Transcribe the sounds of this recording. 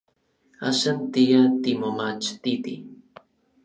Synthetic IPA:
aʃant̪ijat̪imomat͡ʃt̪it̪ḭ

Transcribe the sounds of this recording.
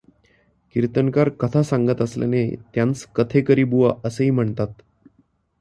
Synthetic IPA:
kiɾt̪ənkaɾkət̪ʰasaŋɡət̪əsla̰nḛt̪jãnt͡skət̪ʰekəɾiːbuʋaʔəsəɦiːm̤əɳt̪at̪

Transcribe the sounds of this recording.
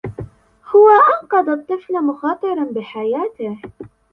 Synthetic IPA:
hʊwaʔɑnqɑd̪ˤɑt̪ˤːɨflamʊxɑːt̪ˤɨɾˤɑnbɪħajaːt̪ɪh

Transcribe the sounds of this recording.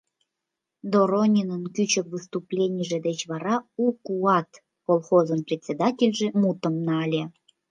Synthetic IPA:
d̪oɾonʲinənkyt͡ɕə̆kvɨst̪uplʲenʲiəʒĕd̪et͡ɕβɑɾɑukuɑt̪ | kolˠxozənprʲet̪ʲt͡sʲed̪ɑtʲelʲʒĕmut̪ə̆mnɑɑlʲe

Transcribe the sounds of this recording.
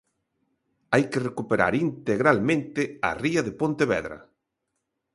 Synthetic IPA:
ajkerekupeɾa̰ɾint̪eɣɾalmẽnt̪ɪa̰riɐðepõnt̪eβɛ̰ðɾɐ̰

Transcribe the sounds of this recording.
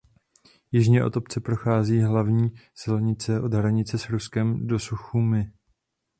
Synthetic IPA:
jɪʒɲɛʔo̞̰t̪o̞pt͡sɛpɾo̞xaːziːɦlavɲiːsɪlɲɪt͡sɛʔo̞d̪ɦɾaɲɪt͡sɛsɾuskɛmdo̞suxumɪ

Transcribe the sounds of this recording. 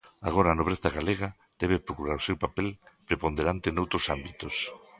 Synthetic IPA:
a̰ɣ̞oɾaːnoβ̞ɾeθaɣaleɣa | d̪̥ɛβepɾokuɾaɾosewpapelpɾepond̪eɾant̪enowt̪ɾosambit̪os

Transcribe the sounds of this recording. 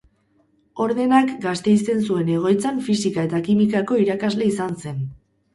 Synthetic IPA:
o̞ɾðe̞nakɡast̪e̞jst̪e̞nsue̞ne̞ɣ̞o̞jt͡saɱfisikaet̪akimikako̞iɾakazle̞isanse̞n

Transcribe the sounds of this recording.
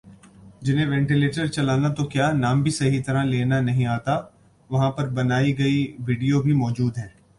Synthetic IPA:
d͡ʒɪnɦẽʋɛ̃ːɳʈileːʈəɾt͡ʃɐlaːnat̪okjaːnaːmbʱisɐɦit̪ɐɾãleːnanɐɦĩaːt̪a | ʋɐɦãpɐɾbɐnaːiɡɐiʋiːɖijobʱimɔːd͡ʒuːd̪ɦɛ̃ː

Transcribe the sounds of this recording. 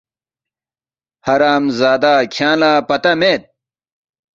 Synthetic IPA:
hɐɾaːmzaːd̪aːkʰjaːnlaːpɐt̪ɐmeːt̪̚

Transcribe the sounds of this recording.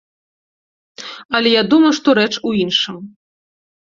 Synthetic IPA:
ɐlʲɛjad̪umɐjuʂt̪ɔɾɛt͡ʂuinʂɨm

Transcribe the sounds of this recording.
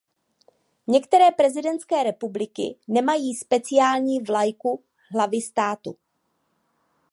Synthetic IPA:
ɲɛkt̪ɛɾɛːpɾɛzɪdɛnt̪skɛːɾɛpublɪkɪ̰nɛmajiːspɛt͡sɪjaːlɲiːvlajku | ɦlavɪst̪aːt̪u

